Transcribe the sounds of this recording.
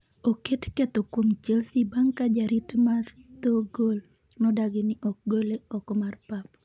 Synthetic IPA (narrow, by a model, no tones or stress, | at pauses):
oketkɛt̪ɔkwomt͡ʃɛlsibaŋkad͡ʒaɾitmart̪oɡol | nɔdaɡɪnɪʔɔk̚ɡoleɔkmarpap̚